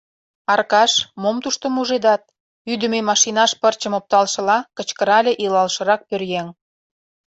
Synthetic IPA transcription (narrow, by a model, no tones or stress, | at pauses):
ɑrkɑʃmomt̪uʃt̪ə̆muʒed̪ɑt̪̚ | yd̪ə̆mejmɑʃinɑʃpərt͡ɕə̆mop̚t̪ɑlʃə̆lɑkə̆t͡ɕkə̆ɾɑlʲeʔilɑlʃə̆ɾɑk̚pørjeŋ